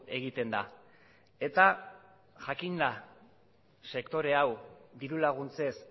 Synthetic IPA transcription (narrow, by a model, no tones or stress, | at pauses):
e̞ɣ̞it̪e̞nd̪a̰ | e̞t̪a | ʝakinla | se̞kt̪o̞ɾe̞awd̪iɾulaɣ̞unt͡se̞s